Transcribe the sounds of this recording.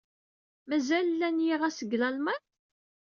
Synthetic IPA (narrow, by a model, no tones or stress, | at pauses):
mæzællːænjiʁæsəɡlɑlmæn